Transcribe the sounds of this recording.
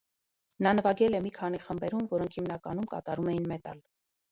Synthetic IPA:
nɑnəvɑɡɛlɛmikʰɑn̪iχəmbɛɾumvɔɾɔŋkʰhimnɑkɑnumkɑ̰t̪ɑɾumɛjinmɛt̪ɑ̰l

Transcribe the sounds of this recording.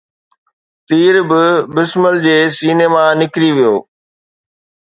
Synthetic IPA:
t̪iːɾbɪbɪsməld͡ʑeːsiːneːmanɪkɾiʋijoː

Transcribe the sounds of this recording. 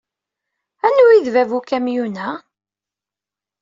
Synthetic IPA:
ænːuiðvævukæmjunæ

